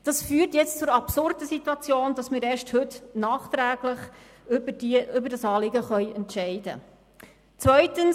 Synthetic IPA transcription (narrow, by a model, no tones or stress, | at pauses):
d̥ɑsfyːrtjɛt͡st͡sʊɾɑpsʊrdəsituɑt͡sjoːnd̥ɑsmɪːɾɛːʃthɵtnɑːχt̪ɾæːɡləχ | iʏbəɾdɑsɑːlɪɡəχœʏɛntʃɛɪd̥ə̰ | t͡svœʏtəns